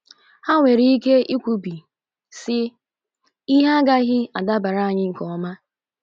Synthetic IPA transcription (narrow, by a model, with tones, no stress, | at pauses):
ha˦ŋʷe˨ɾi˦i˦ke˦i˦kʷu˨bi˨ | sɪ˦ | i˦ɦa˦ɡa˦ɣɪ˦a˨da˦ba˨ɾa˦a˨ɲɪ˦ŋ̩˨kɔ˨˦ma˦